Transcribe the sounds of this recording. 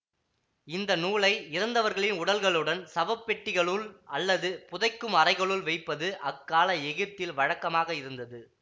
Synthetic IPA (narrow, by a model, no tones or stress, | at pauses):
ɪnd̪ɐnuːɭɐɪɪɾɐnd̪ɐʋɐɾɣɐɭɪnʊɽɐlɣɐɭɯɽɐnsɐbɐpːɛʈːɪɣɐɭɯɭɐlːɐðɯpʊðɐɪkːɯmɐrɐɪɣɐɭɯɭʋɐɪpːɐðɯʔɐkːaːlɐɛɣɪɾt̪ːɪlʋɐɻɐkːɐmaːɣɐɪɾɯnd̪ɐðɯ